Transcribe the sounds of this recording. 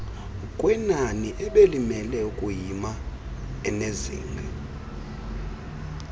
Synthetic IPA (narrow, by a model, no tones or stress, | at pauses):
kʼwɛnaniʔɛɓelimɛlɛukʼujima | ɛnezḭːŋɡʱɛ